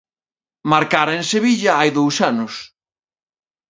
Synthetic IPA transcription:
maɾkaɾeŋseβiʎɐajðowsanʊs

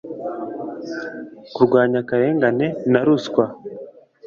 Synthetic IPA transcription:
kuɾɡwaːɲakaɾe̞ːŋɡane̞naɾuskwa

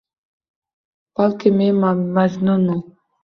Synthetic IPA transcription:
b̥alkememaznunu

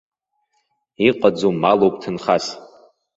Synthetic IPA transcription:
iqʼad͡zumːalowpʼtʰɨnχas

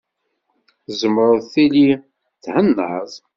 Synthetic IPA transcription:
zəmːɾʊðθili | θhənːə̰zˤ

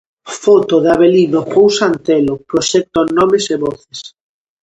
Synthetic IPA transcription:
fɔt̪oðaβelinopowsant̪ɛlopɾoʃɛk̚t̪onɔmɪseβɔθes

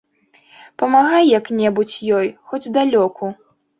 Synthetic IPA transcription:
pɐmaɣajːɐknʲɛbut͡sʲjɔjxɔd͡zʲd̪alʲɔkʰu

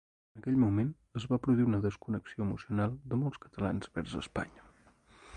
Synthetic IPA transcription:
ənəkɛʎmumen | əzβapɾuðuwiunəðəskunəksioəmusiunalˠd̪əmɔlˠskə̥t̪əlanzβɛɾzə̰spa̰ɲə

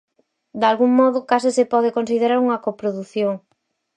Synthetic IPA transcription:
d̪alɣuŋmɔðʊkasɪsepɔð̞ekonsið̞eɾaɾuŋɐkopɾoðuθjoŋ

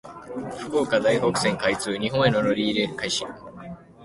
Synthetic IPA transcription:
ɸɯ̟̥koːkad̪aiɦo̞kɯ̟sẽ̞ŋkait͡sɨːɲ̟iɦõ̞ɰ̃e̞noɾo̞ɾʲiːɾeːkaiɕi

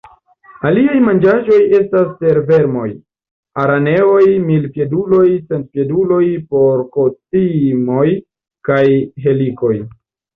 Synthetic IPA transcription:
aliajmand͡ʒaʒo̞je̞staspe̞ɾve̞ɾmo̞̰j | aɾane̞o̞jmilpje̞dulo̞jsentpje̞dulo̞jpo̞ɾko̞t͡simo̞j | kajɦe̞liko̞j

